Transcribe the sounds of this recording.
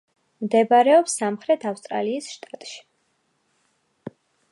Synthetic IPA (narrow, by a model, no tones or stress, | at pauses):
md̪ɛbaɾɛɔpsːamχɾɛt̪ʰafst̪ʼɾa̰liːsʃt̪ʼat̪ʼʃi̥